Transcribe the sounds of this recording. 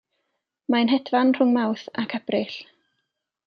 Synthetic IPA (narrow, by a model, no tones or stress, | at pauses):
manɦɛdvanr̥ʊŋmawθakʰabrɪɬ